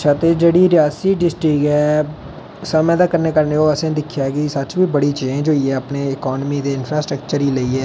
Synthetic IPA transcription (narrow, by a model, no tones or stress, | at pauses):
ətʃʰaːt̪eːd͡ʒeːɽiːɾjaːsiːɖɪsʈɾɪkɦɛː | səmɛ̃ːd̪aːkəɾneːkəɾneːɦoːəsẽːd̪ɪkʰːjaːkɪsət͡ʃbiːbəɽiːt͡ʃiːẽɛ̃ːd͡ʒoːjeːəpneːɪkɔːnmiːd̪eːɪnpʰɾaːsʈɾəkt͡ʃəɾiːləiːɦɛː